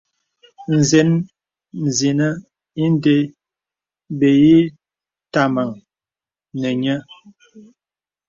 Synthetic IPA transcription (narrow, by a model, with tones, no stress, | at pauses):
n̩˨ze˦n | n̩˨zi˨nə˦ | i˦n˦de˦ | be˨ji˦ | ta˨ma˨ŋ | nə˨ɲə˦